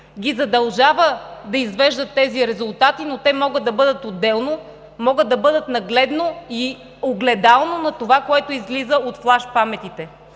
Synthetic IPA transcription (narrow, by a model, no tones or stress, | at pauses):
ɡʲizɐd̪ɐlˠʒavəd̪ɐizvɛʒd̪ət̪ːɛziɾɛzʊlˠt̪at̪inot̪ɛmɔɡəd̪ːɐbɤd̪ət̪od̪ːɛlˠno | mɔɡəd̪ːɐbɤd̪ət̪nɐɡlɛd̪noi | oɡlɛd̪alˠnonɐt̪ovakoɛt̪oizlizəot̪flˠaʃpamɛt̪it̪ɛ